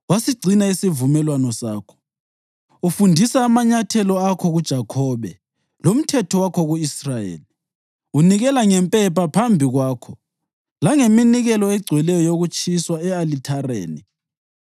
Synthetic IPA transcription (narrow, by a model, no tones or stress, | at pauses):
wasiɡ͡ǀʱinaisivumɛlwanɔsaːkʰɔ̥ | ufundʱisaːmaɲatʰɛlɔakʰɔɣud̥ʒ̥ʱakʰɔːβɛ̰ | lom̩tʰɛtʰɔwakʰɔɣuisrajḛːli | uniɣɛlaŋɛmpʼɛpʰapʰambʱiɣwaːkʰɔ | laŋeminiɣɛlɔɛɡ͡ǀʱwɛlɛjɔjoɣut͡ʃʼʰiswaɛalitʰarḛːni